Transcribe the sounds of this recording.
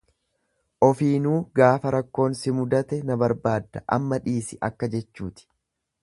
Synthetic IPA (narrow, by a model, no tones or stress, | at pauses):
ʔɔfiːnuːɡaːfɐɾɐkːo̞ːnsɪmʊd̪ɐt̪ɛnɐbɐɾbaːd̪ːɐʔɐ̰mːɐᶑiːsɪʔɐkːɐd͡ʒɛt͡ʃːuːt̪ɪ̥